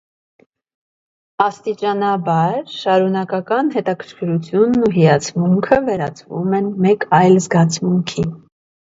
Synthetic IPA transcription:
ɑst̪it͡ʃɑnɑbɑɾʃɑɾunɑkɑkɑnɦɛt̪ɑkʰəɾkʰəɾut͡sʰjunːuɦijɑt͡sʰmuŋkʰəvɛɾɑ̰t͡sʰvṵmɛnmɛkɑjlzɡɑt͡sʰmuŋkʰi

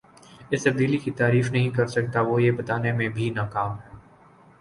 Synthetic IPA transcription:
ɪst̪ɐb̚d̪iːlikit̪aːɾiːfnɐɦĩkɐɾsɐk̚t̪aʋojebɐt̪aːnemẽbʱinakaːmɦɛː

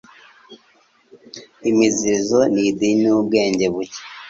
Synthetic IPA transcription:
imizizonidinubɡe̞ːɲɟe̞βuce̥

